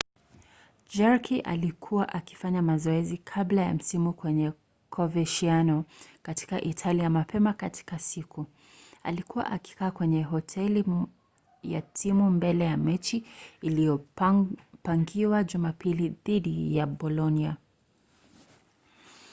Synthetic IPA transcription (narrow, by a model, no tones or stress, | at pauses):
d͡ʒaɹkʰiʔa̰likʰuwaʔaki̥faɲamazɔɛzikʰablaja̰m̩simukwɛɲɛ | kʰɔvɛʃianɔkati̥kaʔitʰaliamapʰɛmakatʰi̥kasikʰu | a̰likuwa̰ʔaki̥kaːkwɛɲɛɦɔtʰɛli | ja̰tʰimumbɛlɛjamɛt͡ʃiːlijɔ | paŋɡiwaʄumapiliðiɗijabɔlɔnia